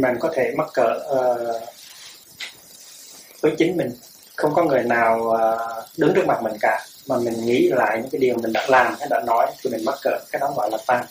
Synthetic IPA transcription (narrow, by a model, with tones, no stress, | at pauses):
ma̰ː˨˩nkɔ˨˦t̪ʰe˧˩ma˦˥t̚kə̰ː˧˨əː˨˩ | vəː˨˦jt͡ɕï˨˦ŋ̟mï˨˩ŋ̟ | xə˧wŋ͡mkɔ˨˦ŋɨ˨˩əjnaː˨˩wəː˨˩ɗɨ˨˦ŋtɨ˦˥k̚ma˨˩t̚mï˨˩ŋ̟ka̰ː˧˩maː˨˩mï˨˩ŋ̟ŋḭ˧˥˧la̰ː˧˨jɲɨ̰˧˥kaː˨˦jɗi˨˩əwmï˨˩ŋ̟ɗa̰ː˧˥laː˨˩mhaː˨˦ɗa̰ː˧˥nɔ˨˦jt̪ʰi˨˩mï˨˩ma˦˥t̚kə̰ː˧˨kaː˨˦jɗɔ˨˦ɣɔ̰˧˨laː˨˩t̪a˧ŋ